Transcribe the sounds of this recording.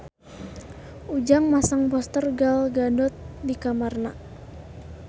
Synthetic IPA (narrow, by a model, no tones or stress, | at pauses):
ud͡ʒaŋmasəŋbɔst̪ərɡalɡanɔt̪̚dikamarna